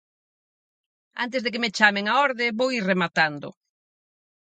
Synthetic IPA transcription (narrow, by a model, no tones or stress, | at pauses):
a̰nt̪ezðek̬emet͡ʃameŋaɔɾðeβowiremat̪and̪ʊ̰